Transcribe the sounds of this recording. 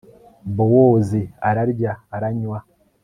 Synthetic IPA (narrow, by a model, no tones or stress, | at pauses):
bowoːziaɾaɾɟaːɾaɲwa